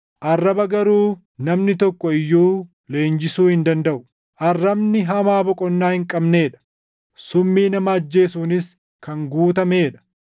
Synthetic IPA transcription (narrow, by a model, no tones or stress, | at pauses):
ʔɐrːɐbɐɡɐɾuː | nɐmnɪt̪ɔkːɔɪjːuː | le̞ːnd͡ʒɪsuːhɪnd̪ɐnd̪ɐʔʊ | ʔɐrːɐbnɪɦɐmaːbɔkʼɔnːaːhɪŋkʼɐbne̞ːᶑɐ̥ | sʊmːiːnɐmɐɐd͡ʒːe̞ːsuːnɪs | kɐŋɡuːt̪ɐmeːᶑɐ̥